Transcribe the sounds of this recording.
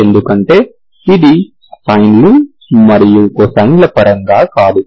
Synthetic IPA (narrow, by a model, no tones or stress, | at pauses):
end̪ukɐɳʈe̞ː | id̪i | pɐjnlu | mɐɾijuosɐŋɡlɐpɐɾɐŋɡaːkaːd̪u